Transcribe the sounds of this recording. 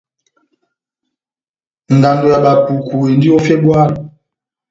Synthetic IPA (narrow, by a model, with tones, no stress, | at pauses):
n̩˨da˨ndo˨ja˨ɓa˨pu˨ku˨e˨ndi˦o˦fɛ˦bwa˦˨l